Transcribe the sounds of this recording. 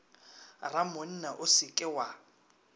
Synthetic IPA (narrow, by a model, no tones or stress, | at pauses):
ramon̩naʔʊsɪkʼɪwa